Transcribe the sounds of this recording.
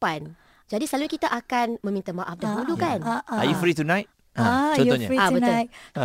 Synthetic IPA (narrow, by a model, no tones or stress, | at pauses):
pan | d͡ʒadisəlaluɲakit̪aʔakanmə̃mĩnt̪amaʔafdaɦulukanajufɾit̪unãjt̚ | at͡ʃɔ̃t̪ɔɲaabənu